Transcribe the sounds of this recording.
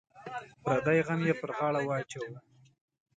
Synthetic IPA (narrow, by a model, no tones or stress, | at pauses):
pɾad̪ajɣamjepəɾʁɑɭawaːt͡ʃaw